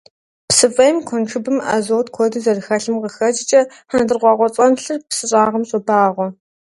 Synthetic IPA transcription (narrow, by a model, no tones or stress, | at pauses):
psɨfʼɐjmkʷʰɔnʈ͡ʂʰɨbɨma̰zoːwtqʷʰɔdɨzɐrxɐɬɨmqəxɐt͡ʃʼɪt͡ʃʼɐ | ħandɨrʁʷɑːʁʷɔt͡sʼɐnɬɨrpsɨɕʼaːʁɐmɕʼɔbaːʁʷɔ